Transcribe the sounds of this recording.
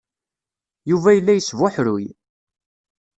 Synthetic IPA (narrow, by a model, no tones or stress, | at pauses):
juvæjəlːæjəsvʊħɾʊj